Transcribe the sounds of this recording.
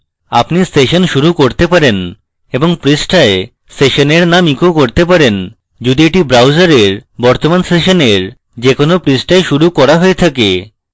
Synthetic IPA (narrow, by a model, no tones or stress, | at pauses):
a̰pnisʈeʃonʃuɾukoɾt̪epaɾen | eboŋpɾisʈae | sʈeʃoneɾnamikokoɾt̪ep̬aɾen | d͡ʑud̪ieʈibɾawd͡ʑaɾeɾbɔɾt̪omansʈeʃoneɾ | d͡ʑekonopɾisʈaeʃuɾukɔɾaɦoet̪ʰake